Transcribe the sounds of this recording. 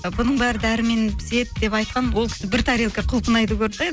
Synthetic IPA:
bʊnəɴbæɾəd̪æɾɪme̞nze̞t̪̚d̪e̞pɑjt̪̚qɑnwo̞lˠkʲʰɪ̥sɪbɪɾt̪ʰɑɾilˠkʲeqʰʊlˠpʰənɑjt̪əkʲʰɵɾt̪ɑj̪

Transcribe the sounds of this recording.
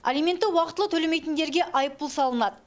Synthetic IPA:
a̰lijme̞nt̪ːɪwɑqət̪əlˠət̪ʰɵlemejt̪ɪnd̪e̞ɾɡʲe̞ʔɑjəp̚ːʊlˠsɑlˠənɑd̪ə

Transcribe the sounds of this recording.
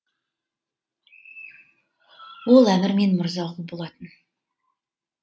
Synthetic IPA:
wo̞lˠæmɪɾme̞nmʊɾzɑʁəbolˠɑt̪ən

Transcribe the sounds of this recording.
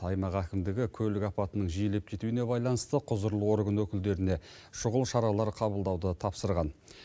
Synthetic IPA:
ɑjmɑqækʲɪmd̪ɪɡʲɪkʲʰɵlɪkɑpɑt̪ənəɴʒijele̞p̚kʲʰe̞t̪uɪne̞bɑjlˠɑnəst̪əqʰʊzəɾlˠəwo̞ɾɡənwɵkʲɪld̪e̞ɾɪne̞ | ʃʊʁəlˠʃɑɾɑlˠɑɾqʰɑbəlˠd̪ɑwd̪ət̪ʰɑpsəɾʁɑn

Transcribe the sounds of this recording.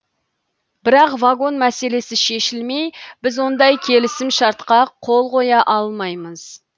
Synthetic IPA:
bɪɾɑqvaɡo̞nmæse̞le̞sɪʃe̞ʃɪlme̞jb̥ɪzwo̞nd̪ɑjkʲʰe̞lɪsɪmʃɑɾt̪qɑqʰo̞lˠqo̞jɑʔɑlˠmɑjməz̥

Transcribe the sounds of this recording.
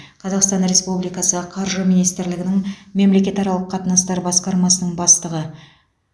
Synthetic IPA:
qʰɑzɑqst̪ɑnɾe̞spublijkɑsəqʰɑɾʒəminijst̪ɪɾlɪɡɪnɪŋme̞mle̞kʲe̞t̪ɑɾɑlˠəqʰːɑt̪ənɑst̪ɑɾbɑsqɑɾmɑsənəɴbɑst̪əʁə

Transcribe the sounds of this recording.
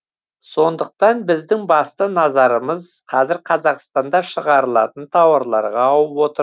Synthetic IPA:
so̞nd̪əq̚t̪ɑnbɪzd̪ɪŋbɑst̪ənɑzɑɾəməzqʰɑzɪɾqʰɑzɑqst̪ɑnd̪ɑʃəʁɑɾəlˠɑ̰t̪ənt̪ʰɑwɑɾlˠɑ̰ɾʁɑːwəpwo̞t̪əɾ

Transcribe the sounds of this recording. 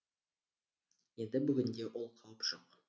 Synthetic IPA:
je̞nd̪ɪbʏɡʲɪnd̪e̞wʔo̞lˠqʰɑwəpʒ̥oq

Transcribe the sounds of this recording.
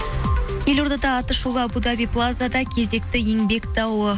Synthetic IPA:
je̞loɾd̪ɑd̪ɑːt̪əʃulˠəɑbud̪abijplˠazad̪ɑkʲʰe̞ze̞kt̪ɪje̞ŋbe̞kt̪ɑwə

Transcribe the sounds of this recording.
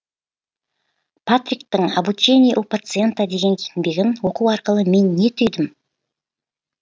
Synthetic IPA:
pʰat̪ɾʲik̚t̪ɪɴabut͡ʃe̞nʲijʔupat̪sɨe̞nt̪ad̪e̞ɡʲe̞ŋkʲʰet̪ɪnb̪e̞ɡʲɪnwo̞quwɑɾqəlˠəme̞nːe̞t̪ʰʏjd̪ɪm

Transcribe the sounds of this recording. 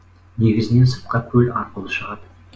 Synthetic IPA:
ne̞ɡʲɪzɪne̞nsə̥t̪̚qɑkʲʰɵlɑɾqəlˠəʃəʁɑd̪

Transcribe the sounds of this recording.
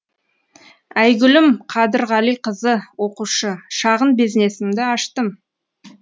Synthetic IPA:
æjɡʲʏlɪmqʰɑd̪əɾʁɑlijqʰəzəwo̞quʃəʃɑʁənbizne̞sɪmd̪ɪɑʃt̪əm

